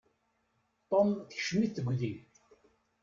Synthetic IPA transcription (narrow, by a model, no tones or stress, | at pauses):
t̪ˤɔmθçʃmiθəɡʷði